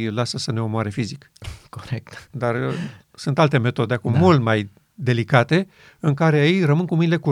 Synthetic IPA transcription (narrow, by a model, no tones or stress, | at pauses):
lasəsəne̞omoaɾefizik | koɾek̚t̪d̪ar | sunt̪alt̪e̞me̞t̪o̞d̪eakumːult̪maj | d̪e̞likat̪e̞ | ɨŋkaɾeajerəmɨnkumɨnile̞ku